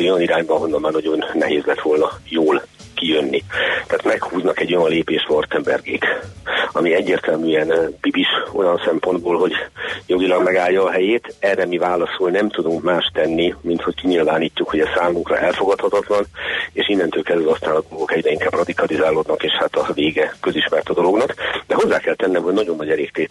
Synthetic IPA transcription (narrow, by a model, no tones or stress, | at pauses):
ojɒniɾaːɲbɒːɦo̞nːɒmːaːnɒɟo̞nːɛɦeːzlɛt̪ʋo̞lnɒjoːl | kijønːit̪aːt̪mɛkhuːznɒkɛɟːo̞jɒnleːpeːʃʋɒrt̪ɛmbɛ̰rɡeːkɒmiɛɟːeːrt̪ɛlmyɛnb̥ibiʃo̞̰jɒnsɛmpo̞nd̪boːlɦo̞ɟjo̞ɡilɒɡmɛɡaːlːɒːɦɛjeːt̪ɛrɛmivaːlɒsolnɛmt̪ud̪uŋkmaːʃt̪ɛnːimint̪ho̞ckiɲilvaːniːcːukho̞ɟɛssaːmuŋkrɒ̰ʔɛlfo̞ɡɒt̪hɒt̪ɒt̪lɒneːʃinːɛnt̪øːlkɛzɛlɒst̪aːnɒd̪o̞lɡo̞kɛɟrɛiŋkaːbrɒd̪ikɒlizaːloːd̪nɒkeːʃhat̪ɒveːɡɛkøziʃmɛrt̪ɒd̪o̞lo̞ɡnɒkd̪ɛɦo̞zːaːkɛlt̪ɛnːɛmho̞ɟnɒɟonːɒɟɛleːk̚t̪eː